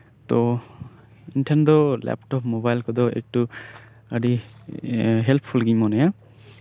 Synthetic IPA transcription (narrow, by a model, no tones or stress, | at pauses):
t̪ɔ | inʈʰend̪ɔlɛ̰pʈɔpʰmobajlkɔd̪ɔɛ̰k̚ʈu | adi | ɦelpʰːulɡiɲmɔnaja